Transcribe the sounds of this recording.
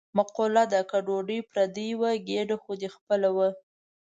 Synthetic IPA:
maqolad̪akaɖoɖəjpɾad̪əjwəɡeɖəxod̪expəlawə

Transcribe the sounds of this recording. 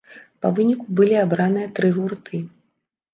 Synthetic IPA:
pɐvɨnʲikubɨlʲiabɾanɨjɐt̪ɾɨɣurt̪ʰɨ

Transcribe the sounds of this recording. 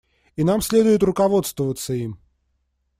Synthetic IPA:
inamsʲlʲe̞d̪ʊjɪt̪rʊkɐvo̞t̪st̪vəvət̪səim

